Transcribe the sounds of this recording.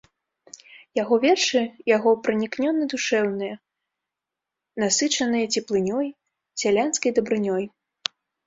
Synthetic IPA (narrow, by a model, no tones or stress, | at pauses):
jaɣɔvʲɛrʂɨjaɣɔpɾɨnʲiknʲɔnɨd̪uʂɛwnɨjɐ | nasɨt͡ʂɐnɨjɐt͡sʲɛplˠɨnʲɔj | sʲalʲanskɐjd̪ɐbɾɨnʲɔj